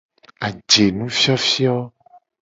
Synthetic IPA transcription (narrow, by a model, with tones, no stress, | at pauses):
a˨d͡ʒe˨nũ˦fi˦ɔ˦fi˦ɔ˦